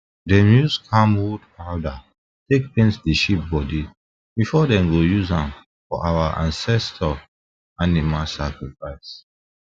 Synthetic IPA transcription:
dɛmjuskʰãmwudalda | tek̚pĩnsdiʃip̚bɔdi | bifɔdɛ̃mɡojuzãm | fɔ̰ʔawaʔã̰nsɛstʰɔ | animasakɹifaɪs

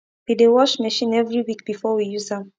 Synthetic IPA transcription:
widewɔʃmɛʃĩnɛvɹiwik̚b̥ifɔwijuzãm

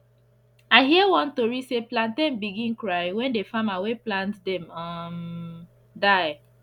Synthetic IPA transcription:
aɪɦiəwɔ̃ntoɹiseplãntdɛ̃mbiɡĩnkɹaɪwɛ̃ndefamaweplãntdɛ̃mʌm | daɪ

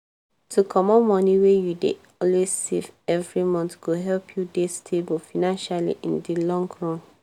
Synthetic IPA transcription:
tʰukʰɔmɔ̃mːɔ̃niwejudḛ | ɔlwezsḛvɛvɹimɔ̃ntɡ̥oɦɛlpʰjudestʰebulfanãnʃalḭʔĩndilɔ̃ŋɡɹɔ̃n

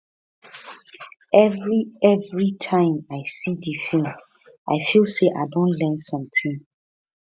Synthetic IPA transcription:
ɛvɹiɛvɹitʰãɪ̃maɪsidifĩm | ʔa̰ɪfilˠseʔa̰ɪdõnlɛ̃nsɔ̃mtʰĩm

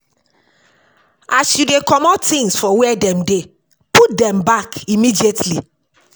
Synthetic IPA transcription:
asjudekɔmɔtːĩŋsfɔwɛdɛ̃mde | pʰut̚dɛ̃mbakimidietli

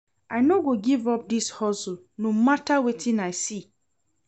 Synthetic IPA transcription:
aɪnoɡoɡivɔp̚dishɔsul | nomatawetʰĩnaɪsi

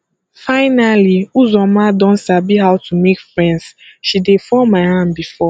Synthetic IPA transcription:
faɪnaliuzɔmadɔ̃n̩sabiɦaʊtʰumekfɾɛ̃ndsʃidefɔmaɪɦambifɔ

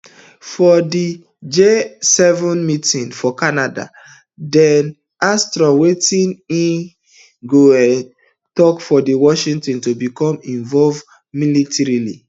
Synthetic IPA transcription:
fɔdi | d͡ʒesɛvɔ̃nmitĩnfɔkanada̰ | dɛn | astɹɔ̃wetĩnĩn | ɡoɛ | tɔkfɔdiwɔʃĩŋtɔ̃ntubikɔ̃mĩɱvɔlv | militʰɛɹilḭ

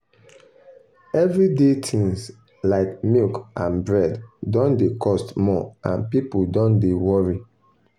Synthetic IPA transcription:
ɛvɹidetʰĩŋs | laɪkmilkãnbɹɛddɔ̃ndekʰɔstmɔã̰npipudɔ̃ndewɔɹi

